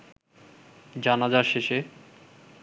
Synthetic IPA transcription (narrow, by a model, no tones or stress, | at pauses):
d͡ʑanad͡ʑaʃeʃe